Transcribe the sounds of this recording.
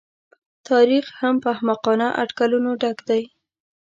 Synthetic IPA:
t̪ɑɾixhampəhamaqɑnaʔa̰ɖkalunoɖaɡd̪aj

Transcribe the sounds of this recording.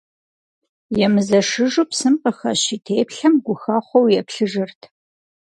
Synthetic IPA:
jɛmɨzɐʂɨʒupsɨmqəxɐ̰ɕitʰeːpɬɐmɡʷʊxɐχʷɔwjɛpɬɨʒɨrtʰ

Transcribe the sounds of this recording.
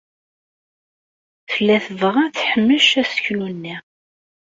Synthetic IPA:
θəlːæθəvʁaθħəmːəʃæsə̥çlunːi

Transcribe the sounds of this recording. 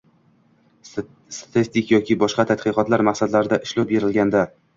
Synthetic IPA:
st̪t̪ʰɪst̪ɪkʲjɒkʲʰɪbɒʃqɑt̪ʰat̪qɨqɒt̪laɾmaqsad̪laɾɪd̪aʔɪʃlɒbeɾɪlɡʲand̪a

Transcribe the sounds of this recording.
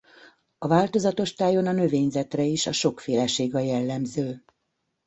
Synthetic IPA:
ɒvaːlt̪o̞zɒt̪o̞ʃt̪aːjo̞nɒnø̞veːɲzɛt̪rɛiʃɒʃo̞kfeːlɛʃeːɡɒjɛlːɛmzøː

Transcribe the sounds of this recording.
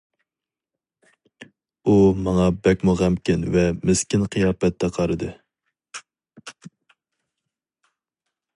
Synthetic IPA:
umɑŋɑbɛkʲmuʁæmkʲɪnvɛmeskʲɪnqʰɨjɑːpɛt̪ʰːɛqʰɑɾɨd̪ɨ

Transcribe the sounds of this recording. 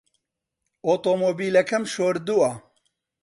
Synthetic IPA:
oːt̪omoːbiːlɐkʰɐmʃoːɾd̪uɐ

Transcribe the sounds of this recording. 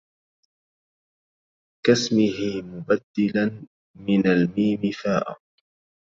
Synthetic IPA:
kasmɪhɪmʊbad̪ːɪlan | mɪnalmiːmɪfaːʔa̰

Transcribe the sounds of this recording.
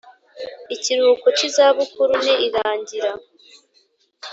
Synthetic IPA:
iciɾuːkocizaːβukuɾuniiɾaːɲɟiɾa

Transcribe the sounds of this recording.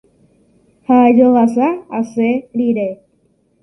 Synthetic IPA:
had͡ʒoʋasaːseɾiɾe

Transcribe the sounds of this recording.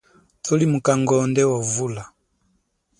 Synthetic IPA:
tɔlimukaŋɡɔndɛwavula

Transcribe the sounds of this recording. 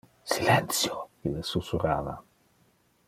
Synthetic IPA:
silɛnt̪sjokilesusuɾaːva̰

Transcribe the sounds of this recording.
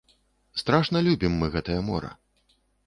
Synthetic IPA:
st̪ɾaʂnɐlʲubʲimːɨɣɛt̪ɐjɐmɔ̰ɾɐ̰

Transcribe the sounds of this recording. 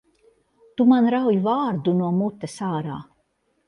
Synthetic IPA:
t̪umanɾawjvaːɾd̪unuɔmut̪ːɛsaːɾaː

